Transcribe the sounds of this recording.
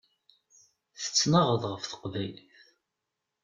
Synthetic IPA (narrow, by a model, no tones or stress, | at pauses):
θə̥t͡sːnəʁəðʁəfθə̥qvæjləθ